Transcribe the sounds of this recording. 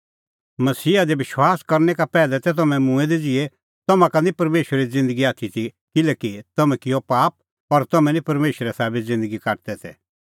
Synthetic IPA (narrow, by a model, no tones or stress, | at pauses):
mɐsiːad̪ebɪʃwaːskɐɾnɛkapɛːlɛt̪ɛt̪̬ɐmɛ̃mũɛd̪ed͡zɪe | t̪ɐmãkanipɐɾmeːʃɾid͡zɪ̃nd̪əɡiaːt̪ʰit̪ʰi | kɪlɛkit̪ɐmɛ̃kɪjopaːp̚ | ɔɾt̪ɐmɛ̃nĩpɐɾmeːʃəɾɛsaːbɪt̪zɪ̃nd̪əɡikaːʈ̚t̪ɛt̪ʰɛ̰